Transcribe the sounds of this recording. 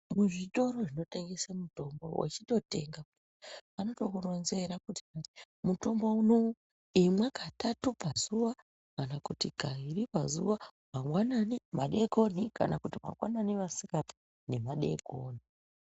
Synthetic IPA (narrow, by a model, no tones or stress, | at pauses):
muʐito̞ɾo̞ʐino̞teŋɡesamuto̞mbo̰wʔa̰t͡ʃiɗo̞te̞ŋɡap | anotokuro̞nze̞ɾakutia | muto̞mbouno̞ | emwekatatupazuʋa | kanakutiɡʱairipazuʋa | mamwananimaɗe̞ɡʱo̞nika̰na̰kutima̰ŋwananiʋasikati̥ | ne̞maɗe̞ɡʱoni